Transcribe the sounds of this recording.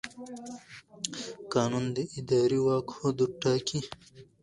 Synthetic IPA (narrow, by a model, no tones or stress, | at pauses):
kaːnund̪eʔid̪aːɾiwaːkhod̪uʈːaːki